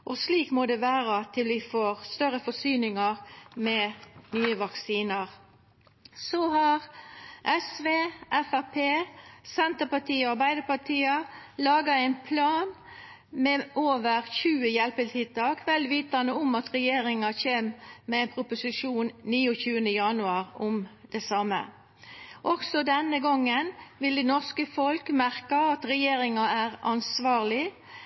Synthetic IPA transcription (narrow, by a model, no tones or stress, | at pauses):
ʔɔsliːkmɔd̪ɛʋæːʁɑt̪ʰɪlʋɪfɔʁst̪œɾəfɔsyːnɪŋɑʁmɛnyːəʋɑksiːnɑʁ | sohɑʁʔɛsʋeːʔɛfæpʰeːsɛnt̪əpɑʈʰiːɑʁbæɪd̪əpɑʈʰiːɑlɑːɡɑɛɪnpʰlɑːn | mɛʔoːʋəʁçʉːəjɛlpəlt̪ʰɪd̪̚t̪ɑːkʋɛlʋiːt̪ɑnəʊmɑt̪ʁɛjeːʁɪŋɑçeːmmɛɛɪnpʰʁʊpʊsɪʂuːnniːʊçʉːənəjɑnʉɑːʁʔʊmd̪̥ɛsɑmːə̰ | ʔɔksɔd̪ɛnəɡɔŋːənʋɪld̪ɛnɔʁskəfɔlkmæʁkɑɑt̪ʁɛjeːʁɪŋɑæːʁɑnsʋɑːʁlɪ